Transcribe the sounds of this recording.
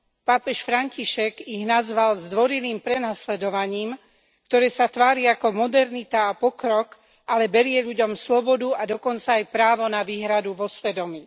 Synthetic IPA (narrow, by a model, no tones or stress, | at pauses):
paːpɛʃfɾaɲciʃɛɡiɣnazʋalzd̪ʋɔɾiliːmpɾɛnaslɛd̪ɔʋaɲiːm | kt̪ɔɾɛːsat̪ʋaːɾiakɔmɔd̪ɛɾnit̪aːpɔkɾɔk | ʔalɛbɛɾɪɛʎuɟɔmslɔbɔd̪uad̪ɔkɔnt͡saːjpɾaːʋɔnaʋiːɦɾad̪uʋɔsʋɛd̪ɔmi